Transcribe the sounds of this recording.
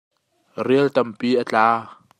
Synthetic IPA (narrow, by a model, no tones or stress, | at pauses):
riəlt̪ɐmpiːʔat͡ɬaː